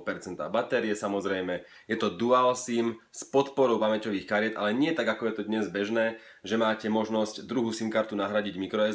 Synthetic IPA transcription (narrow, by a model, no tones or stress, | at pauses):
pɛɾt͡sɛnt̪a̰ːbat̪ɛɾiɛsamɔzɾɛjmɛ | jɛt̪ɔd̪ualsiːmspɔt̪pɔɾɔʊpamɛcɔʋiːxkaɾɪɛtd̪ʔalɛɲɪɛt̪aɡakɔjɛt̪ɔd̪ɲɛzbɛʒnɛː | ʒɛmaːcɛmɔʒnɔscd̪ɾuɦuːsimkaɾt̪unaɦɾaɟiɟmikɾɔɛ